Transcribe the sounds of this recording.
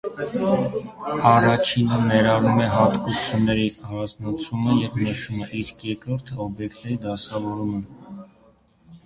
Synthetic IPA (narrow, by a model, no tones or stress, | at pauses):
ɑrɑt͡ʃʰinənɛɾɑɾumɛɦɑt̪kut͡sʰjunːɛɾihɑznɑt͡sʰuməjɛvnəʃuməʔiskʰjɛɾkɾɔɾt̪ʰəɔbjɛkt̪nɛɾid̪ɑsɑvɔɾumə